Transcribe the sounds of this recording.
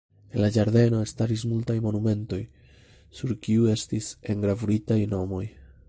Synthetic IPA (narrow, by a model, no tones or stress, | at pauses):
e̞nlad͡ʒaɾd̪e̞no̞e̞staɾis̬multajmo̞nume̞nto̞j | suɾkiue̞stise̞ŋɡɾavuɾitajno̞mo̞j